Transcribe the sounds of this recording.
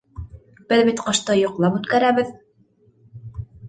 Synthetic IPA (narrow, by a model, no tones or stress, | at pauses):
b̥ɘðbit̪qɤ̆ʃt̪ɤjŏqlˠɑpʉt̪kæɾæβɘð